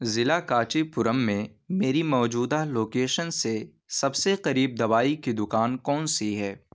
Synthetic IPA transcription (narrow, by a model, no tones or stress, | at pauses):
zɪlakaːt͡ʃipʊɾəmːẽmeːɾimɔːd͡ʒuːd̪aloːkeːʃənse | sɐbseqɐɾiːb̚d̪ɐʋaːikid̪ʊkaːnkɔːnsiɦɛː